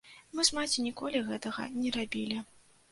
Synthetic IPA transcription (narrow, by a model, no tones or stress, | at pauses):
mɨʂmat͡sʲinʲikɔlʲiɣɛt̪ɐɣɐ̰nʲɛɾabʲilʲi